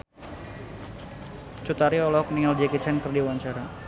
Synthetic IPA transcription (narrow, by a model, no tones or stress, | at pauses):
t͡ʃut̪aɾiɔlɔɔkniŋald͡ʒɛkit͡ʃɛnkərdiwaɲt͡ʃaɾa